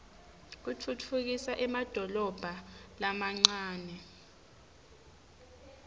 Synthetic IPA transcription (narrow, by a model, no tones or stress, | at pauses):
k̬ut͡fʰut͡fʰuk̬isaʔɛmad̥ʱɔlɔb̥ʱalamaŋ͡ǀaːnɛ